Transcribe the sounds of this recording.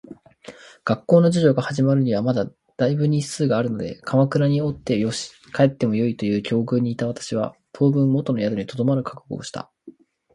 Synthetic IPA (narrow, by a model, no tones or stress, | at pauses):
ɡ̥akːo̞ːno̞d͡ʑiʑo̞ːɡahaʑimaɾɯ̟ɲ̟iβamad̪a | d̪̥aibɯ̟ɲ̟isɨːɡaːɾɯ̟no̞d̪e̞̰kʰamakɯ̟ɾaɲ̟io̞t̪ːe̞jo̞ɕi̥ | kae̞t̪ːe̞mo̞jo̞it̪o̞jɯ̟ːkʲʰo̞ːɡɯ̟ːɲ̟iːt̪aβ̞at̪ḁɕiβa̰t̪ʰo̞ːbɯ̟̃mːo̞t̪o̞no̞jad̪oɲ̟it̪o̞d̪o̞maɾɯ̟kḁkɯ̟ɡo̞̰ːɕi̥t̪ʰa̰